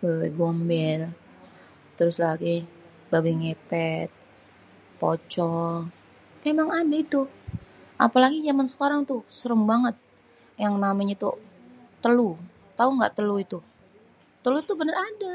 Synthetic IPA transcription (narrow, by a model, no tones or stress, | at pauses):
bawɛ̰ɡombɛl | t̪əɾʊslaɡi | babiŋepɛt̪̚ | po̰t͡ʃɔ | memaŋadait̪u | ʔa̰palaɡid͡ʒamansə̥kaɾaŋt̪usəɾəmbaŋət̪̚ | jaŋnamaɲat̪ṵt̪əlu | t̪auŋɡa̰ʔt̪əluit̪u | t̪əluit̪ubənərada